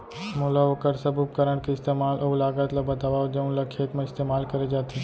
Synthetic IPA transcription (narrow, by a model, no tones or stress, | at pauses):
molaokəɾsəbʱup̚kəɾəɳkeɪst̪emaːlʔɐulaːɡat̪labət̪aʋaʋd͡ʒɐũnlɐkʰeːkmãɪst̪emaːlkəɾed͡ʒaːt̪ʰe